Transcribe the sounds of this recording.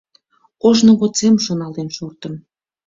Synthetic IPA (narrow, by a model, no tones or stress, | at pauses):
oʒnŏɣot͡semʃonɑlenʃurt̪ə̆m